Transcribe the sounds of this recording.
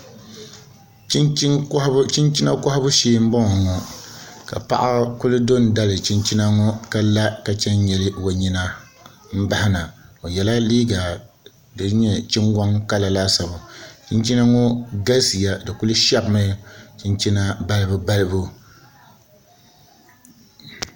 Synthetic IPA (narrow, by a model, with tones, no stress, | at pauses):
t͡ʃi˦nt͡ʃht͡ʃi˦nt͡ʃi˦na˦kɔ˦ha˦bʊ˦ʃeː˦m̩˦bɔ˦ŋɔ˨ŋɔ˨ | ka̰˨pa̰˦ʔa˦kʊ˦lɨ˦do˦n˨da˦lɨ˨t͡ʃi˦nt͡ʃi˦na˦ŋɔ˦ka˦la˦ka˨t͡ʃɛ˦n˦ɲɛ˨lɨ˦wo˨ɲi˦na˦ | m̩˦ba˦hɪ˦na˨o˨jɛ˨la˦liː˦ɡa˨ | dɨ˨˦ɲɛ˦t͡ʃɪ˦ŋɡʷa˦ŋka˦la˨la˦sa˨bʊ˨t͡ʃi˦nt͡ʃi˦na˦ŋɔ˦ɡa˦si˨ja˦dɨ˨kʊ˦lɨ˦ʃɛ˦bma˦t͡ʃi˦nt͡ʃi˦na˦ba˦lɨ˦bʊ˦ba˦lɨ˦bu˦